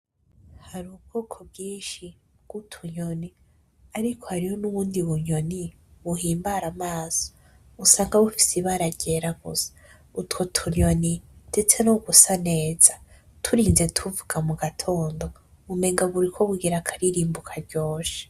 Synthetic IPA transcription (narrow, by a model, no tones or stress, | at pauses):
haɾuːb̚ɡ̥o̞ːkʰo̞bɟiːnʃi | ɡ̥utʰuɲo̞ni | aɾikʰo̞haɾiho̞nuβuːndiβuɲo̞ni | βuɦiːmbaɾamaːz̥o | usaːŋɡaβufi̥siβaɾaɟeɾaɡosḁ | utkotʰuɲo̞nindet͡se̞noɡusane̞ːz̥ḁ | tʰuɾiːnze̞tʰuvuɡ̥amuɡatʰo̞ːndo̞ | βume̞ŋɡaβuɾikʰo̞βuɡiɾakʰaɾiɾiːmbukʰaɾɟo̞ːʃe̥